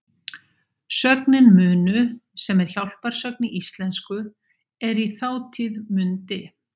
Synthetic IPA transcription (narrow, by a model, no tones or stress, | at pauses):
sœknɪnmʏːnʏsɛmɛɾ̥çawl̥paɾ̥sœk̚niʔist̪lɛnskʏ | ɛɾiθaːwt̪ʰiðmʏnt̪ɪ